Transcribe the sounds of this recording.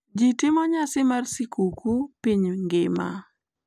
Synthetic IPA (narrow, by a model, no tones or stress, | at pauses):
d͡ʒitɪmɔɲasɪmarsikʰukʰupiɲŋɡɪma̰